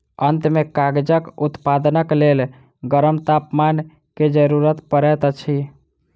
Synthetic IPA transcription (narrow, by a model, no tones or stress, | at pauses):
ənt̪mekaɡd͡ʒəkut̪pad̪nəklel | ɡəɾəmt̪apman | ked͡ʒəɾuɾət̪pəɾɛt̪ət͡ʃʰi